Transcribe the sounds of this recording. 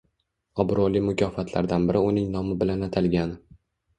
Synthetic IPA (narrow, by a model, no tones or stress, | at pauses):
ɒbɾɒlimʊkʰʲɒfat̪ʰla̰ɾd̪anbɪɾʔɪʊnɪŋnɒmɪbɪlanat̪ʰalɡʲanɪ